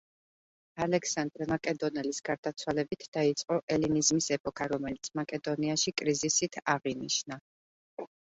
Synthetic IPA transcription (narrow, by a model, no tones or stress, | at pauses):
alɛksand̪ɾɛmakʼɛd̪ɔnɛlisɡ̥aɾd̪at̪sʰwalɛbit̪ʰd̪̥ait̪sʼqʼɔʔɛlinizmisɛpʼɔkʰaɾɔmɛlit̪sʰmakʼɛd̪ɔniaʃikʼɾizisit̪ʰaʁiniʃna